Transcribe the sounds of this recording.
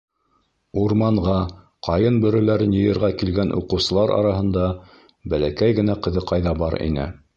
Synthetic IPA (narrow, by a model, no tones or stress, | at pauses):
uɾmɑɴʁɑ | qʰɑjɤnbɵ̆ɾɵ̆læɾɘnjɤ̆jɤ̆ɾʁɑkilɡænʔṵqɤ̆wsɤ̆lˠɑɾɑ̰ɾɑɦɤ̆nd̪ɑ | bælækæjɡɘ̆næqɤ̆ðɤqɑjðɑbɑɾḭnɘ̰